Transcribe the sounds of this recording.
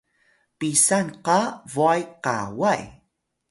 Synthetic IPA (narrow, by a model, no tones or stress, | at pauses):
pisanqavuajqa̰waj